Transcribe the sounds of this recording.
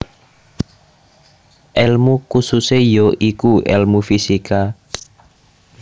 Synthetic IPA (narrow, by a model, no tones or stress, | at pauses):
ʔɛlmukususejoʔikuɛ̰lmufisika